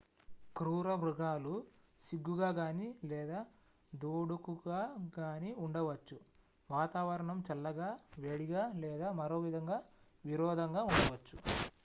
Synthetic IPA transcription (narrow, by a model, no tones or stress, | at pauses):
kɾuːɾɐbɾuɡaːlu | siɡːuɡaːɡaːnilɛːd̪aː | d̪oːɽukuɡaːɡaːniuɳɖɐʋɐt͡ʃːu | ʋaːt̪aːʋɐɾɐɳɐmt͡ʃɛlːɐɡaːʋeɽiɡaːlɛːd̪aːmɐɾoːʋid̪ʱɐŋɡaː | ʋiɾɔːd̪ʱɐŋɡaːuɳɖɐʋɐt͡ʃːu